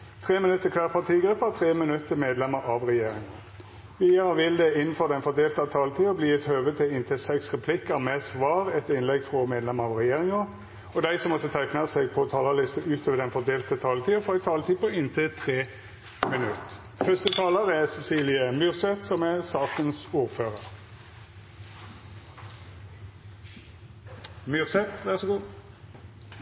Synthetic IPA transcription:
t̪ʰʁeːmɪnʉt̪ːəkʰʋæʁpʰɑt̪ʰiːɡʁɛːpɑt̪ʰʁeːmɪnʉt̪ːəmeːd̪lɛməɾɑʋʁɛjeːɾɪŋɑ | ʋiːəʁəʋɪld̪ɛɪnn̩fɔʁd̪ɛnfɔd̪eːlt̪əɑt̪ʰɑːlət̪ʰiːɔbliːɛt̪høːʋət̪ʰɪlɪnt̪ʰəsɛksʁɛpʰlɪkːəmɛsʋɑːʁɛt̪ɪnlɛɡfʁɔmeːd̪lɛməʁɑʋʁɛjeːʁɪŋə | ɔd̪æɪsɔmːɔt̪ːət̪ʰæɪknɑseɡ̚pʰɔt̪ʰɑːləlɪst̪əʔʉːt̪ʰoːʋəd̪ɛnfɔd̪eːlt̪ət̪ʰɑːlət̪ʰiːəfɔæɪt̪ʰɑːlət̪ʰiːpɔɪnt̪ʰɪt̪ʰʁeː | mɪnʉt̪ | fœst̪ət̪ʰɑːləʁæsɛsiːlɪəmyːʁsɛt̪sɔmɛsɑːkənsuːʁføːʁəʁ | myːʁsɛt̪ʋæʁsɔɡuː

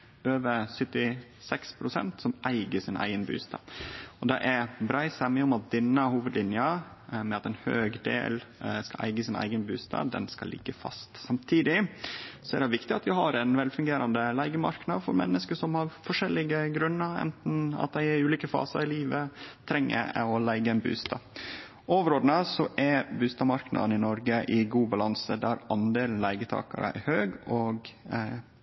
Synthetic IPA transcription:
øːʋəsœt̪ːɪ | sɛkspʰɾʊsɛ̰nt̪sɔmʔæɪɡəsɪnʔæ̰ɪənby̰ːst̪ʰɑ̰ɔd̪ɛʔæɾbɾæɪsɛmɛʊmɑt̪̚d̪ɛnːəhuːʋəd̪lɪnjəmɛɑt̪ɛnhø̰ːɡd̪ḛːlskɑlʔæ̰ɪɡəsɪnæ̰ɪɡənbʉ̰ːst̪ʰɑ̰d̪ɛ̰nskɑlʔɪ̰ɡːəfɑ̰st̪sɑmt̪ʰiːd̪ɪsɔæ̰ɾd̪ɛʋɪkt̪ɪɑt̪ʋɪɦɑɾɛnʋɛlfʉŋɡeːɾʔɑnd̪əlæɪɡəmɑ̰ɾknɑd̪fɔɾmɛ̰nːəskəʂɔmhɑɾfɔʂɛlːɪɡəɡɾʉnːəɾɛ̰nt̪n̩ɑ̰t̪̚d̪æɪæɾʉːliːkəfɑ̰ːsɑɾɪliːʋət̪ʰɾɛŋːə̰ɔlæɪɡəɛnbʉ̰ːst̪ɑ | oʋɾoːd̪ənəsɔʔɛbʉːst̪ɑmɑɾknʔɑ̰d̪nɪnɔɾɡəʔɪɡuːbɑlɑnsəd̪æɾɑnd̪eːln̩læɪɡət̪ʰɑ̰ːkɑ̰ɾə̰æ̰ɾhøːɡɔɡ

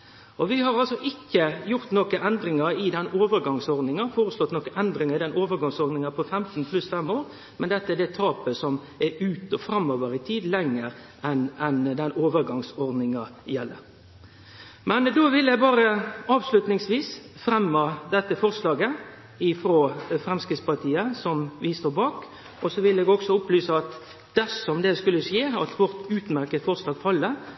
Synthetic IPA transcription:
ʔɔʋɪhɑɾɑlsɔʔɪkːəjʊʁt̪nokəʔɛnd̪ɾɪŋɑɾɪd̪ɛnːoːʋəɾɡɑŋsɔʁd̪nɪŋɑfoːɾəslɔt̪nɔkəʔɛnd̪ɾɪŋɑɪd̪ɛnoːʋəɾɡɑŋsɔd̪nɪŋɑpʰɔfɛmt̪n̩pʰlʉsfɛmːoːɾ | mɛnd̪ɛt̪ːəɛd̪ɛt̪ʰɑːpəsɔm | ɛʉːt̪ɔfɾɑmːoːʋəɾɪt̪ʰiːd̪lɛŋːəɾ | ʔɛnɛnd̪ɛnːoːʋəɾɡɑŋsɔʁd̪nɪŋɑjɛlːə̰ɾ | mɛnd̪oːʋɪljæbɑːɾəɑːʋslʉt̪nɪŋsʋiːsfɾɛmːɑd̪ɛt̪ːəfɔʁslɑːɡə | ɪfɾoːfɾɛmskɾɪt̪spɑʁt̪ʰiːəsɔmʋɪst̪oːbɑːk | ʔɔsɔʋɪlɛːɡɔksɔʊplyːsəɑt̪ | d̪̥æsɔmd̪ɛskʉlːəʂjeːɑt̪ʋɔɾt̪ʉːt̪mæɾkət̪fɔʁslɑːɡfɑlːə

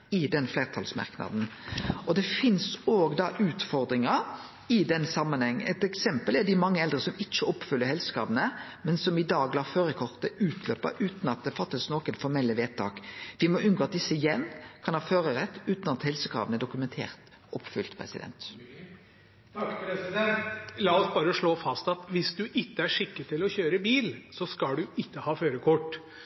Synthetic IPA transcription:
ɪd̪ɛnfleːʁt̪ʰɑlsmɑ̰ʁknɑ̰d̪n̩ɔd̪ɛfɪnsoːɡd̪ɑʔʉːt̪fɔɾd̪ɾɪŋə | ɪd̪ɛnsɑmːənhɛŋːə̰ɛt̪ɛksɛmpəlæɖ̪ɪmɑŋːəɛld̪ɾəsɔmɪt͡ʃːəɔpːfʏlːəɾhɛlsə̥kʰɾɑ̰ːʋənəmɛnsɔmɪd̪ɑːɡlɑːføːɾəkʰɔʁt̪əʉːt̪ʰløːpːə̰ʔʉːt̪nɑt̪̚d̪ɛfɑt̪ːəsnoːkənfɔɾmɛlːəʋeːt̪ʰːɑːkʋɪmɔʏnɡɔːɑt̪̚d̪ɪsːəɪjɛnːkʰɑnhɑːføːɾəʁɛt̪ːʉːt̪nɑt̪hɛlsəkʰɾɑ̰ːʋənəɖʊkʉmɛnt̪ʰḛːʁt̪ | ɔpːfʏlt̪pʰʁɛ̰sɪd̪ɛ̰nt̪ | lɑːɔsbɑːɾəɔʂɭoːfɑst̪ɑt̪ʋɪsd̪ʉʔɪkːəæʂɪkːət̪ʰɪlɔçøːɾəbiːlsɔskɑlɖʉɪkːəhɑːføːɾəkʰɔʈː

